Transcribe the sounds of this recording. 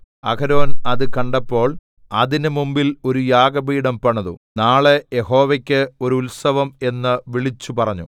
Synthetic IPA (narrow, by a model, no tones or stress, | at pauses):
ɐkɐɾo̞ːnɐðɨkɐɳɖɐpːo̞ːɭ | ɐðinɨmumbilo̞ɾujaːɡɐbiːɽɐmpɐɳɐðṵnaːɭejeho̞ːʋɐkʲːɨo̞ɾuulsɐʋɐme̞nːɨʋiɭit͡ɕːupɐrɐɲːu